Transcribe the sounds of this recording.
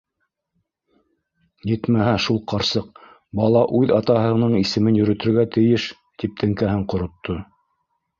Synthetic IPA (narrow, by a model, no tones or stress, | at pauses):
jɘt̪mæɦæʃulˠqʰɑɾsɤq | bɑlˠɑʔʉðɑt̪ɑɦɤ̆nɤɴisɘ̆mɘnjɵ̆ɾɵ̆t̪ɵ̆ɾɡæt̪ɘ̆jɘʃ | t̪ip̚t̪ʰɘ̆ŋkæɦɘɴqŏɾŏt̪ʰːo